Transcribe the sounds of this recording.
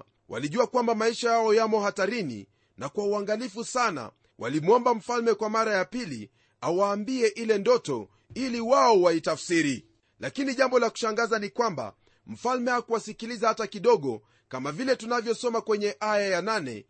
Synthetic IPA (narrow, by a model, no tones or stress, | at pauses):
wa̰liʄuakwambamaiʃajaɔjamɔhataɾinḭ | nakwauaŋɡalifusana̰ | wʔa̰limɔmbam̩falmɛkwamaɾajapili | awaːmbiɛʔilɛndɔtɔ | iliwaɔwaitafsiɾi | lakiniʄambɔlaku̥ʃaŋɡazanikwamba̰ | m̩falmɛhakuwasikilizahatakiɗɔɠɔ | kamavilɛtunavjɔsɔmakwɛɲɛʔajajananɛ̰